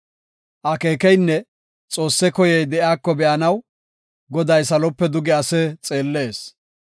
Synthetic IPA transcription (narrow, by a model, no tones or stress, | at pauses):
ʔɐke̞ːkɛjnːɛ | t͡sʼo̞ːsːɛkɔjɛjd̪ɛʔaːkːɔbɛʔɐnɐw | ɡɔd̪ɐjsɐlɔpːɛd̪ʊɡɛɐsɛt͡sʼe̞ːlːe̞ːs